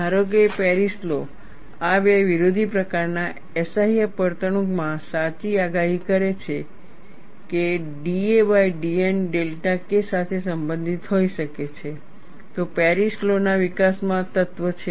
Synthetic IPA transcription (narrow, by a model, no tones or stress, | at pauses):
aɾoɡepɛɾislo | aʋeʋiɾod̪ʱipɾəkaɾna | ɛsaɦijəpəɾt̪əɳũɡmãsat͡ʃiaɡaɦikəɾet͡ʃʰe | ke | ɖieʋaiɖienɖelʈakesat̪ʰesəmbə̃nd̪ʱit̪ɦoiʃəket͡ʃʰe | t̪opɛɾislonaʋikasmãt̪ət̪ʋət͡ʃʰe